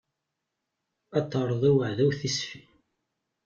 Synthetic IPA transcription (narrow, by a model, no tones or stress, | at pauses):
æt̪ˤːɑɾˤðˤæwəʕðæwθisfi